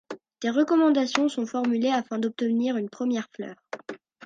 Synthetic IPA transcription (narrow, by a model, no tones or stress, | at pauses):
d̪̥eʁəkɔmɑ̃d̪asjɔ̃sɔ̃fɔʁmyleafɛ̃d̪ɔp̚t̪əniʁynpχəmjɛʁflœ̰ːʁ